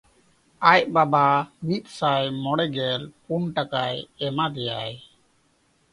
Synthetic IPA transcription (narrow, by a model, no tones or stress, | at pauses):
ajbabamit̪̚ˀsajmɔɽɛɡɛlpuɳʈakajɛmad̪ɛjaj